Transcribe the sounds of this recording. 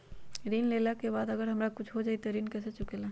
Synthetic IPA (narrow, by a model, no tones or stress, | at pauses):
ɾiːnleːlakebaːd̪ɐɡəɾɦɐmɾakʊt͡ʃʰɦod͡ʒaːit̪eɾiːnkɛːset͡ʃʊkelaː